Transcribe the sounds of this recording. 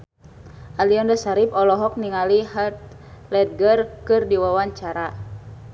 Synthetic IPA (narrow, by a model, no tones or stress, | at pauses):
ʔaliɔndasaɾipɔlɔɦɔk̚niŋaliɦat̪̚ | lɛt̪̚ɡərkɨrdiwawaɲt͡ʃaɾa